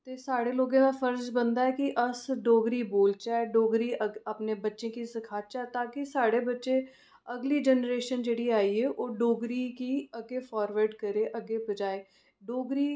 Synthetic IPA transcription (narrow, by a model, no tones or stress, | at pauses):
t̪eːsaːɽeːloːɡẽːmãːpʰəɾd͡ʒbənd̪aːɛːkɪʔəsɖoːɡɾiːboːlt͡ʃaɛɖoːɡɾiːəəpneːbətːʃẽːkisəkʰaːt̪t͡ʃaːt̪ãːkɪsaːɽeːbətːʃeː | əɡliːd͡ʒɛnɾeːʃənd͡ʒeːɽiːaːiːɛːʔoːɖoːɡɾiːkiːəɡeːfʰɔːɾʋəɾɖkəɾeːʔəɡeːbəd͡ʒaːeː | ɖoːɡɾiː